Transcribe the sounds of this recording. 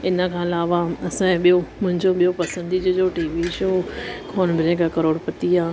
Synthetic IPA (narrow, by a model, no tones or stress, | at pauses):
ɪnə̆kʰãːɪlaːʋaɐsãɓijomʊ̃ɦɪ̃ɲd͡ʑoɓijopɐsə̃nd̪id͡ʑoːd͡ʑoːʈiːʋiʃoːkʰoːnbɪɾẽkakɐɾoːɽpɐt̪iaː